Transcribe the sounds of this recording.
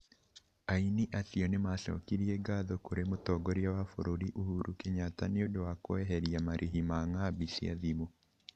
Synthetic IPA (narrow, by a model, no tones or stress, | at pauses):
ainiʔasiɔnemaʃɔ̰kiɾiɛɡaːðɔkoɾemotɔɡɔɾjawafo̰ɾoɾiʔuhuɾukeɲataneodowakoɛɦɛɾiamaɾʔiɦimaŋabisia̰ðimo